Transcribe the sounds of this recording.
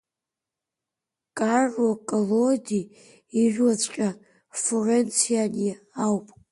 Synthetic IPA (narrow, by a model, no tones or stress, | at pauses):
kʼarakʼolodi | iʒᶣwat͡ʃʷʼqʲʼa | forent͡sʰiani | awpʼ